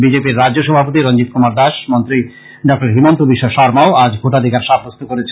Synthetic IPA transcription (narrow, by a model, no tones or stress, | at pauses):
bid͡ʑepiɾːad͡ʑoʃɔbʱapot̪iɾɔnd͡ʑit̪̚kʰumaɾd̪aʃmont̪ɾi | ɖɔk̚ʈaɾɦimont̪ubiʃːoʃɔɾmaoad͡ʑkʰoʈad̪ʱikaɾʃabʱɾost̪ʰokoɾet͡ɕʰe